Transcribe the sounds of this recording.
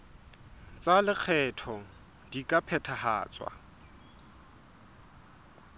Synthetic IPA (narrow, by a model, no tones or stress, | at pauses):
t͡sʼalɪk͡xʰɛtʰɔ | dikʼapʰɛtʰaha̰ːt͡sʼwa̰